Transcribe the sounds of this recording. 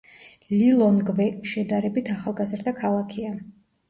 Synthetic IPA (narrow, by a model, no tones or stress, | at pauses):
lilˠɔnɡvɛʃɛd̪aɾɛbit̪ʰaχalˠɡazɾd̪akʰalˠakʰia